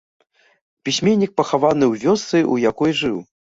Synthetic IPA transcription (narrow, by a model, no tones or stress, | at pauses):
pʲisʲmʲenʲːik̚pɐxavanɨwvʲɔst̪sɨʔujakɔjʐɨw